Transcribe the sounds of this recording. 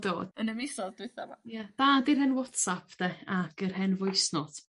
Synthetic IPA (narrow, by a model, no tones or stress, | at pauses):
do̰ːd̥̚ənəmɪsɔld̥wɪθama̰jɛd̥aːdirhɛnwɔtsapʰd̥ɛakərɦɛnvʊjsnɔtʰ